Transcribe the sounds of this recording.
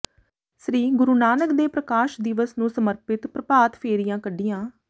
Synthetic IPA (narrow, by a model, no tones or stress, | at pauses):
sɾiːɡʊɾuːnaːnəkd̪eːpɾəkaːʃd̪ɪʋəsnũːsəməɾpɪt̪pɾəpaːt̪pʰeːɾɪjãːkəɖɪjãː